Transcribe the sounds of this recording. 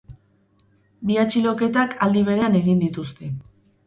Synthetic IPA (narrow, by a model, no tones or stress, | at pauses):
biat͡ʃilo̞ke̞t̪akald̪iβ̞e̞ɾe̞ane̞ɣind̪it̪ust̪e̞